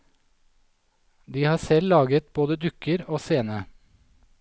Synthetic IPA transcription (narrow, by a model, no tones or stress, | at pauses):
d̪iːhɑːsɛllɑːɡət̪̚boːd̪əd̪ʏkəɾoːseːnə